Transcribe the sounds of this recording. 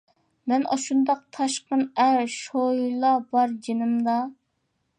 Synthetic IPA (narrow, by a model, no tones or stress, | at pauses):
mɛnʔɑ̰ʃund̪ɑq̚t̪ʰɑʃqənæɾʃoilˠɑbɑɾd͡ʒenɨmd̪ɑ